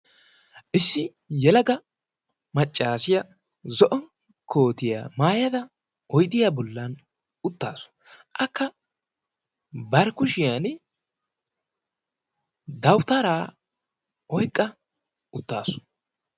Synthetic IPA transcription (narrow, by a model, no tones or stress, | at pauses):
ʔɪsːɪ | jɛlɐɡɐ | mɐt͡ʃʼːaːsɪjɐ | zɔʔɔn | kʰo̞ːt̪ɪja̰ːmaːjɐd̪ɐ | ɔjd̪ɪjaːbɔlːɐn | ʊt̪ːa̰ːsʊ̥ | ʔɐkːɐ | bɐɾkʊʃɪjan | d̪ɐwt̪ɐɾaː | ɔjkʼːɐ | ʊt̪ːaːsʊ̥